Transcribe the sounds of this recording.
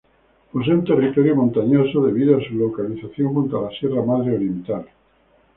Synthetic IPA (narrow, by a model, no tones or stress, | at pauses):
pos̬eunt̪e̞rit̪oɾjomõnt̪aɲosoðe̞βiðoasulokaliθaθjo̞ŋkunt̪alasje̞ramaðɾeolimit̪al